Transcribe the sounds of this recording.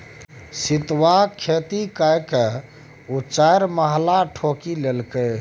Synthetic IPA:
sit̪wakʰet̪ikajke | ut͡ʃajɾməɦlaʈʰokilelkəj

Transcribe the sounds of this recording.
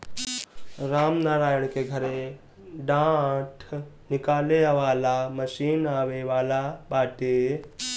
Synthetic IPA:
ɾaːmnaːɾaːjəɽ̃keɡʱɐɾe | ɖãːʈʰ | nɪkaːleʋaːlamɐʃiːnaːʋeʋaːlabaːʈe

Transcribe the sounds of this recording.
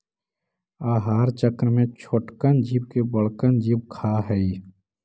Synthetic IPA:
aːɦaːɾt͡ʃəkɾmẽt͡ʃʰoːʈkənd͡ʒiːbkebəɽkənd͡ʒib̚kʰaɦɛi

